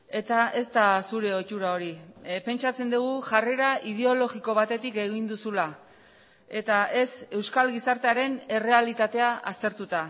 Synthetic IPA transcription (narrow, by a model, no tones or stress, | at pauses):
e̞t̪ae̞st̪asuɾe̞o̞t͡ʃuɾao̞ɾipe̞nt͡ʃat͡se̞nd̪uɣ̞uʝare̞ɾaið̞e̞o̞lo̞ɣiko̞β̞at̪e̞t̪ike̞ɣ̞ind̪usula | e̞t̪ae̞se̞wskalɣisaɾt̪eaɾe̞ne̞re̞alit̪at̪e̞aast̪e̞ɾt̪ut̪a